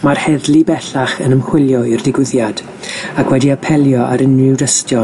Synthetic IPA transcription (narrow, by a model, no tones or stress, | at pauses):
marhɛðlˠibɛɬaχənəmhwɪlˠjɔirdɪɡwɪðjad̥ | akʰwɛdiapʰɛlˠjɔʔaɾɪnrɪwdəstjɔ